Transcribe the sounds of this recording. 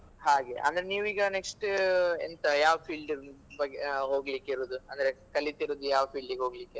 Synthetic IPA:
ɦaːɡe̞ʔɐ̰nd̪ɐɾeniːʋiːɡɐneksʈent̪ɐjaːʋɐpʰiːlɖibɐɡeɦoːɡlikːiɾoːd̪uɐnd̪ɐɾekɐlit̪iɾoːd̪ujaːʋɐpʰiːɭɖiɡeɦoːɡlikːe

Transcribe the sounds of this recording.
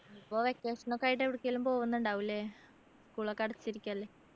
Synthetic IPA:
ipːoːʋekːeːʂɐnokːaːjiʈ̬ːeʋiɽukʲːeelumpo̞ːʋunːuɳɖaːʋilːeː | skuːɭɐkːɐɽɐt͡ɕːiɾikʲːuaɐlːeː

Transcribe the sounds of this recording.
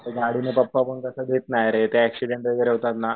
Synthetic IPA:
t̪eɡaɽinepəpːapəɳkəsəd̪ʱet̪najaɾet̪eɛksiɖeɳʈʋəɡɾeɦot̪at̪na

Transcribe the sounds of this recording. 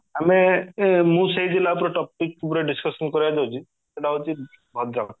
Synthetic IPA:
amemũseɦid͡ʒilaup̬ɔɾɔʈɔp̚ikp̬ɔɾeɖiskɔsɔnkɔɾijad͡ʒawt͡ʃʰi | d͡ʒelaot͡ʃʰi | bʱɔd̪ɾak

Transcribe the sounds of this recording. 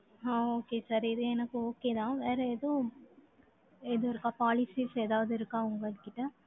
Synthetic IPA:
ãoːkesɐɾɪðɯɛnɐkːɯoːkeːðãːʋeːɾɐeðoː | ɛðoːɪɾɯkːãːpaːlɪsiːseːðaːʋɐðɯɪɾɯkːãːʊŋɡɐɭɯkːɪʈːɐ

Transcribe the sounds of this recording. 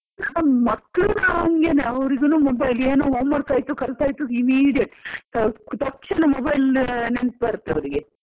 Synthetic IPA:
mɐkːɭunaŋɡeneɐʋɾiɡenuːmobɐjleːnoːɦoːmːɐɽt̪aːjit̪ːukɐlt̪aːjt̪uimiːɽijɐʈːt̪ɐt̪ɐkʂinɐmɔːbɐjlnent̪̚bɐɾut̪ːeɐʋɾiɡe

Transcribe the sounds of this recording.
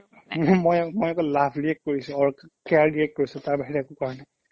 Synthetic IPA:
mmojmojakɔlabʱɹiɛk̚koɹisʊ̃ɔɹkɛaɹɹiɛk̚t̚koɹisʊ̃taɹbaɦiɹɛɛkʊkaɹɔnɛ

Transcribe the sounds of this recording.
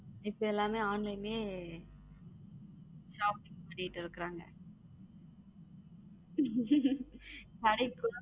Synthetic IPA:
ɪpːoɛlːaːmeːaːnlɐɪmeː | ʃaːp̚ɪŋpɐɳːɪʈːɯɪɾɯkːɪɾaːŋɡɐ̰ | kɐɽɐɪkːʊ

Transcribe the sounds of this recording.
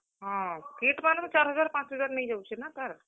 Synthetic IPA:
ɦãkeʈmanmet͡ʃaɾɦəd͡ʒaɾpãt͡ʃɦəd͡ʒaɾnəjd͡ʒawt͡ʃʰɛnat̪əɾ

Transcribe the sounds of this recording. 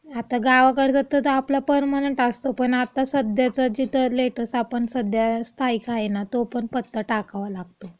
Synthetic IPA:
at̪aɡaʋakəɽd͡zat̪ət̪əaplapəɾmaɽəɳʈast̪opəɳat̪asəd̪jat͡səd͡ʑit̪əleʈəɾsapəɳsəd̪jast̪ʰaikʰajnat̪opəɳpət̪ːəʈakaʋalaɡt̪o

